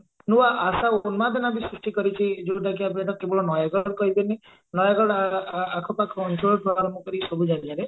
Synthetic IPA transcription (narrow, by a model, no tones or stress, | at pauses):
nuwaʔːsaonmad̪ʱenabisɾusʈikɔɾit͡ʃʰid͡ʒud̪akʰiapaʈɔkebɔɭɔnɔjaɡɔɽkɔɦibeni | nɔjaɡɔɽaakʰɔpakʰɔɔnʈɾoɖpɾɔaɾɔmbɔkɔɾisɔbʱud͡ʒanid͡ʒaɾe